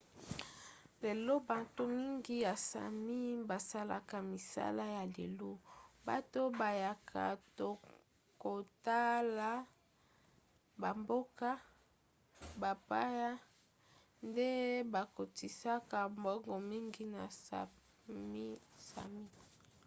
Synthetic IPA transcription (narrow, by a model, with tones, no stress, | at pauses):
le˨lo˦ba˨nto˦mi˦ŋɡi˦ja˨sa̰˨mi˦ba˨sa˦la̰˨ka˨mi˨sa̰˦la˦ja˨le˨lo˦ba̰˨to˦ba˨ja˨kʰa̰˨to˨ | ko˨ta˦la˨ | ba˨mbo˦ka˦ | ba˨pa˦ja˦ | nde˦ba˨ko˨ti˨sa˦ka˨mbɔ˦ŋɡɔ˨mi˦ŋɡi˦na˨sa̰˨ | mi˦sa̰˨mi˦